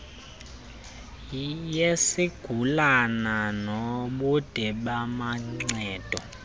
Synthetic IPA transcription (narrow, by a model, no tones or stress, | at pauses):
jesiɡ̥ʱulananoɓud̥ʱɛɓamaŋ͡ǀɛːd̥ʱɔ